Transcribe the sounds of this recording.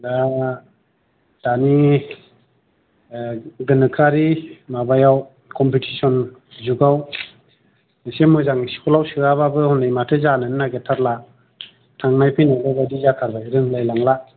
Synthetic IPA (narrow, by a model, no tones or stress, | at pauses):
da | d̥ani | ɡɯnɯkʰaɾimabajaw | kʰɔmpitʰisɔn | zuɡaw | nasemɯzaŋsi̥kʰɔlawsɯaβabɯhɔnajmatʰɯzanɯnnaɡetʰatla | tʰaŋnajpʰinababadizakʰaɾbajɾɯŋlajlaŋla